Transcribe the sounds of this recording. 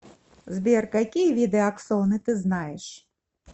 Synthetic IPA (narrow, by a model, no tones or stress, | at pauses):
zʲbʲɛrkakʲijvʲid̪ɛaksɔnɨt̪ɨznajɛʂ